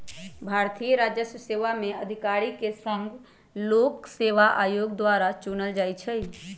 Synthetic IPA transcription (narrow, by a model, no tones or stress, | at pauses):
bʱaːɾt̪ʰijəɾaːd͡ʒjəsəseʋamẽəd̪ʱɪkaːɾikesə̃ŋɡ | lokseʋaʔaːjoːɡd̪ʋaɾat͡ʃunəld͡ʒaːjt͡ʃʰɛ